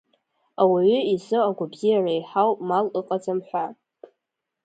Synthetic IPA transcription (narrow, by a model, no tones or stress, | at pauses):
awiʕʏizɨaɡʷabzijarajħawpʼmalɨqʼad͡zamħʷa